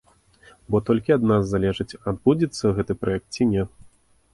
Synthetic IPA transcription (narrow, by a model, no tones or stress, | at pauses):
bɔt̪ɔlʲkʲiad̪nazːalʲɛʐɨt͡sʲad̪̚bud͡zʲɛt̪sːɐɣɛt̪ɨpɾajɛk̚t̪t͡sʲinʲɛ